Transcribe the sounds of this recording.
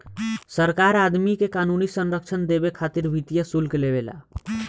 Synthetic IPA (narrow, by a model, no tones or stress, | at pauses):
səɾkaɾad̪mikekanunisənɾək̚t͡ʃʰənd̪ebekʰat̪iɾbʱit̪ijəsulkeleβela̰